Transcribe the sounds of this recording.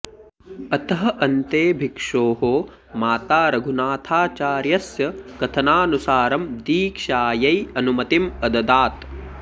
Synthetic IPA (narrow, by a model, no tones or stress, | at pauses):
ɐt̪ɐɦɐ̆ʔɐnt̪eːbʱikʂoːɦoː | maːt̪aːɾɐɡʱunaːt̪ʰaːt͡ʃaːɾjɐsjɐkɐt̪ʰɐnaːnusaːɾɐmd̪iːkʃaːjɐjɐnumɐt̪imɐd̪ɐd̪aːt̪